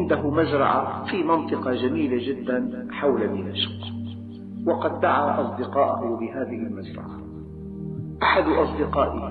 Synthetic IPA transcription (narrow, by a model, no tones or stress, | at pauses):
nd̪aɦʊmazɾˤɑ̰ʕa̰fiːmɑnt̪ˤɨqɑd͡ʒamiːlad͡ʒɪd̪ːanħawlanɪnaʃq | wɑqɑd̪ːaʕaːʔɑsˤd̪ɪqɑːʔʊhʊbɪɦaːðɪhɪlmazɾˤɑ̰ʕa | ʔaħad̪ʔɑsˤd̪ɪqɑːʔɪ